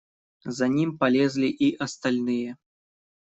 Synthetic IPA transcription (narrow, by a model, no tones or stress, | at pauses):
zanʲimpalʲɛzʲlʲiʔiʔɐst̪alʲnɨjɛ